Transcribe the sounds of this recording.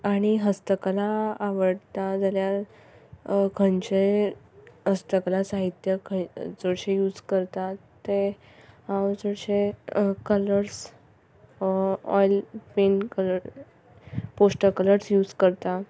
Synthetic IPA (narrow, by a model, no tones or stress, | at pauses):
aɽ̃iɦəst̪əklaːʋəɽt̪ad͡zalja | kʰəɳt͡ɕe | ɦəst̪əklasaɦit̪jəkəd͡zoɽɕejuːd͡zkəɾt̪at̪ːe | ãwd͡zoɽɕekələɾs | ɔ̰jlpenkələɾ | posʈəkələɾsjuːd͡zkəɾt̪a